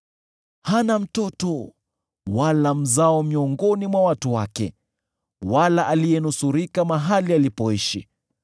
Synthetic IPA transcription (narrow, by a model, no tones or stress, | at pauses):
hanam̩tɔtɔ | walam̩zaɔmiɔŋɡɔnimwawatuwakɛ̰ | walaʔalijɛnusuɾikamaɦalialipɔiʃi